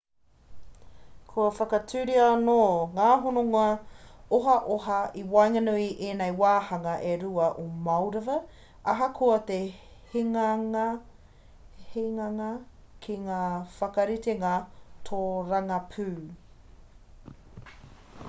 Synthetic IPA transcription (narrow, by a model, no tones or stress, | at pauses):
kʰuɐfɐkɐtʰʉɾiɐanoːŋaːɦonoŋɐoɦɐʔoɦɐiwajŋɐnuiʔeːnejwaːhɐŋɐʔeɾuɐʔomɐwɾɐvɐ | ɐɦɐkʰoɐte | hiŋ | hiŋɐŋɐ | kʰiŋaːfɐkɐɾit̪eŋatʰoːɾɐŋɐpʰʉː